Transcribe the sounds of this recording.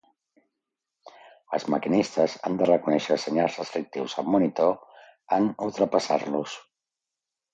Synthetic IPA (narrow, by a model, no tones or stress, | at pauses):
ə̰lˠzməkinist̪əza̰nd̪ərəkunɛʃəsəɲalˠzrəst̪ɾik̚t̪iwzəmːunit̪o | ənulˠt̪ɾəpəsa̰ɾlus